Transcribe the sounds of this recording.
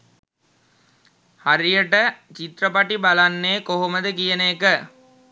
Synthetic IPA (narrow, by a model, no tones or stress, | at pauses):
haɾijəʈət͡ʃit̪rəpaʈibalanːeːkoɦoməd̪əkijəneːkə